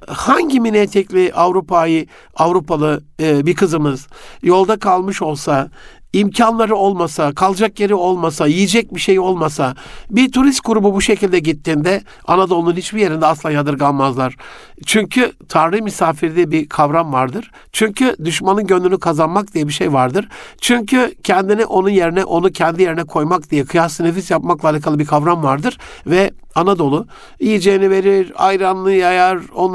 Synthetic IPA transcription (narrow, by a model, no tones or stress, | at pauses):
haɲɟiminɛt̪ʰɛclʲiʔavɾupajɯ | avɾupʰalˠɯbikʰɯzɯmɯz̥jo̞lˠd̪akʰalˠmɯʃo̞lˠsa | imcʰanlˠaɾɯo̞lˠmasakʰalˠd͡ʒakje̞ɾio̞lˠmasajijid͡ʒɛc̚biʃejo̞lˠmasabit̪ʰuɾist̪̚ɡuɾububuʃecilʲd̪ɛɟit̪ʰːind̪ɛ | anad̪o̞lˠnunhit͡ʃbije̞ɾind̪ɛaslˠaːjad̪ɯɾɡalˠmazlˠaɾ̥ | t͡ʃʰyɲcʰyt̪ʰaɾlˠɯhmysaːfiɾd̪ɛbikʰavɾamvaɾd̪ɯɾ̥ | t͡ʃʰyɲcʰyd̪yʃmanɯnɟønd̪ynykʰazanmak̚d̪ijɛbiʃejvaɾd̪ɯɾ̥t͡ʃʰyɲcʰycʰɛnd̪inɛʔo̞nunje̞ɾinɛʔo̞nucʰɛnd̪ije̞ɾinɛkʰo̞jmak̚d̪ijɛkʰɯjasɯnefisjapmaklˠalʲikʰalˠɯbikʰavɾamvaɾd̪ɯɾ̥vɛ | anad̪o̞lˠʊ | ijid͡ʒejinive̞ɾiɾajɾanlˠɯjajaɾo̞n